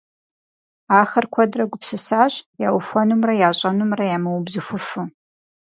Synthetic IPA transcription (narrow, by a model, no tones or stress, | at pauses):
aːxɐrkʷʰɐdrɐɡʷʊpsɨsaːɕjaːwʊfʷɔnumrɐjaːɕʼɐnumrɐjaːmɐwʊbzɨxʷʊfɨ